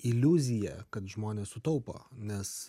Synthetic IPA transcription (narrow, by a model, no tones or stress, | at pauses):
ɪlʲuzʲɪjɛkɐt̪ʒmoːnʲeːssʊt̪ɐʊpo̰ːnʲɛs